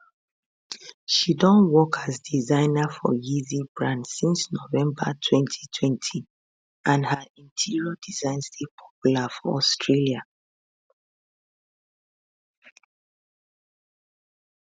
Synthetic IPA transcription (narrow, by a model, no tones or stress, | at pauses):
ʃidɔ̃nwɔkʰazdizãɪ̃nafɔ̰jizibɹãndsĩnsnovɛ̃mbə̰tʰwɛ̃ntʰi̥tʰwɛ̃ntʰi | ʔãnhaĩntʰiɹiɔdizãɪ̃nstʰepʰɔ̥pjulafɔɔstʰɹelia